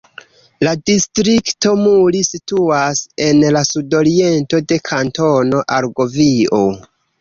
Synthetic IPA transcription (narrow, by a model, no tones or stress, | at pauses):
ladistɾikto̞mulisituase̞nlasudo̞ɾie̞nto̞de̞kʰanto̞no̞ʔaɾɡo̞vio̞